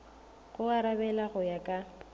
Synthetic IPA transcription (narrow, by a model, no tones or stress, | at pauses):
ɣʊaɾabɛlaɣʊjakʼa